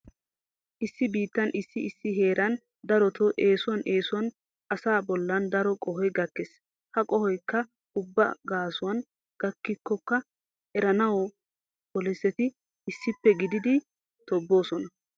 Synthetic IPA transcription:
ʔɪsːɪbiːt̪ːɐnʔɪsːɪɪsːɪɦe̞ːɾɐn | d̪ɐɾɔt̪ʰɔʔe̞ːsʊwɐnʔeːsʊwɐn | ʔɐsaːbɔlːɐnd̪ɐɾɔkʼɔɦɔjɡɐkːes | hɐkʼɔhɔjkːɐ | ʊbːɐ̰ɡaːsʊwɐn | ɡ̥ɐkːɪkːɔkːɐ | ʔɛɾɐnɐwɔ | bɔlɛsːɛt̪ɪː | sːɪpːɛɡɪd̪ɪd̪ɪ | t̪ɔbːo̞ːsɔnɐ

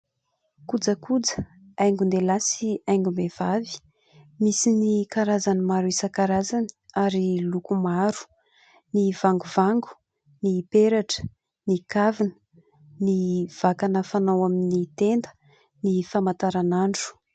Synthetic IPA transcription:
kud͡zəkud͡zə̥ | ajŋɡund̪elasiajŋɡumev̥avi̥ | misinikaɾazanimaɾuisəkaɾazani̥aɾilukumaɾu̥ | nivaŋɡuvaŋɡu̥ | nipeɾaʈ͡ʂə̥ | nikavinə̥ | niv̥akanəfanawaminit̪end̪ə̥ | nifamat̪aɾanaɳɖ͡ʐu̥

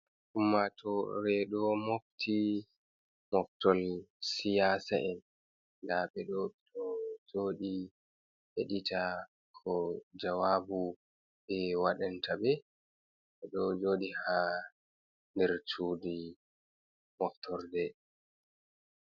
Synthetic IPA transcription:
ʔumːatɔɾɛɗɔmoftʰi | mɔftɔlsijaːsaʔɛn | daɓɛɗɔɗɔd͡ʒoːɗi | heɗita | kʰɔd͡ʒawabu | ɓɛwaɗantʰabɛ | ɓɛɗɔd͡ʒoːɗiha | ndɛɾt͡ʃuːdi | mɔftʰɔɾdɛ

